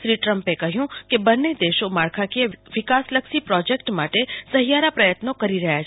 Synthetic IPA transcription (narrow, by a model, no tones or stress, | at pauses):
ʃɾiʈɾəmpekəɦjũkebənːed̪eʃomaɾkʰakieʋɪkasləkʃipɾɔd͡ʒekʈmaʈesəɦijaɾapɾəjət̪nokəɾiɾəɦjat͡ʃʰ